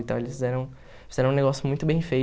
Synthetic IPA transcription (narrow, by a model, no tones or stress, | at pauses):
ĩt̪ɐ̃elɪsfizɛɾɐ̃w̃ | fizɛɾɐ̃neɡɔsjʊmũj̃t̪ʊbẽj̃fej